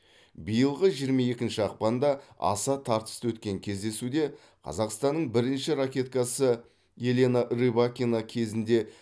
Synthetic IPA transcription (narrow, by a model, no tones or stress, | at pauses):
bijəlˠʁəʒijəɾmɑje̞kʲɪnʃɪɑq̚pɑnd̪ɑɑ̰sɑt̪ʰɑɾt̪ə̥st̪əwɵt̪kʲe̞ŋkʲʰe̞zd̪e̞sud̪e̞ | qʰɑ̰zɑqst̪ɑnːəɴbɪɾɪnʃɪɾakʲe̞t̪̚kɑsə | je̞lʲe̞naʔɾibakʲinakʲʰe̞zɪnd̪e̞